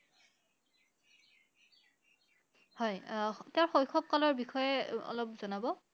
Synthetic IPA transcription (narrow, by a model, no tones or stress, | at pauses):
hɔjteʊɹxojkʰɔp̚kalɔɹbixɔjɛɔ̰lɔp̚zɔnabɔ